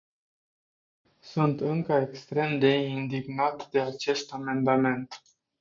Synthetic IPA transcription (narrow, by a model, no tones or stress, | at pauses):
sunt̪ɨŋkəekst̪ɾe̞md̪e̞ind̪iɡnat̪d̪e̞at͡ʃe̞st̪ame̞nd̪ame̞nt̪